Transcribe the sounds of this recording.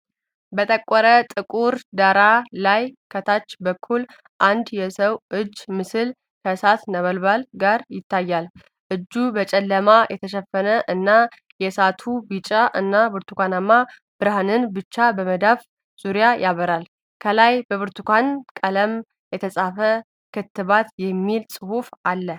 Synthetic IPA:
bət̪ʼəkʼːɔɾət̪ʼɨkʼuɾd̪aɾalajkʰət̪ʰat͡ʃːbəkʰːul | ʔand̪jɛsəwʔɨd͡ʒːmɨsɨl | kʰəsat̪nəβəlbalɡaɾjɪt̪ʰːajːal | ʔɨd͡ʒːubət͡ʃʼɛlːəmajʔɛt̪ʰəʃɛfːənəʔɨnːa | jɛsat̪ʰubit͡ʃʼaʔɨnːabɨɾt̪ʰukʷanamːa | b̥ɨɾhanɨnbɨt͡ʃːabəməd̪af | z̥uɾijajʔaβəɾal | kʰəlajbəβɨɾt̪ʰukʷankʼələm | jɛt̪ʰəsʼafə | kʰɨt̪ːɨβat̪jɛmːilsʼɨhufʔalːə

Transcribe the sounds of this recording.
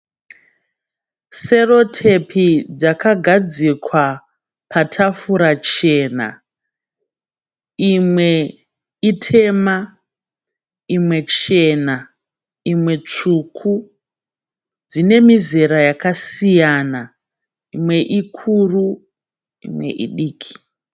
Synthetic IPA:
se̞ro̞tʰe̞pʰid͡zakaɡʱad͡zikwa | pʰatʰafuɾat͡ʃe̞ːna̰ | imwe̞ | itʰe̞ma | imwe̞t͡ʃe̞na | imwe̞t͡ʂukʰu | d͡zine̞mize̞ɾajakasijaːna | imwe̞ʔikʰuːru | ḭmwe̞̰ʔḭɗiːkʰi̥

